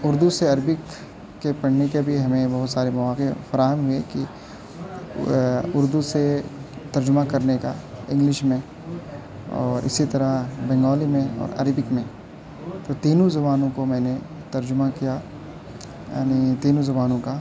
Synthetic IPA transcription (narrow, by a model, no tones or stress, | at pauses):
ʊɾd̪useɐɾbɪkː | epɐɽ̤nekebʱiɦɐmẽbɐɦʊt̪saːɾemɐʋaːkefɐɾaːɦəmɦʊeki | ʊɾd̪uset̪ɐɾd͡ʒʊmakɐɾneka̰ɪ̃ŋɡlɪʃmẽ | ɔ̰ːɾɪ̰sit̪ɐɾəbɛ̃ŋɡɔːlimẽɔ̰ːɾɐ̰ɾbɪkmẽ | t̪ot̪iːnũzɐbaːnõkomɛ̃ːne | t̪ɐɾd͡ʒʊmakija | ja̰ːnit̪iːnõzɐbaːnõka